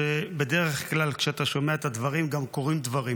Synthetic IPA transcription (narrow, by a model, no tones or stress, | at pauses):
ebede̞ʁeχklalkʃeat̪aʃo̞meaet̪ad̪vaʁimɡamko̞ʁimd̪vaʁi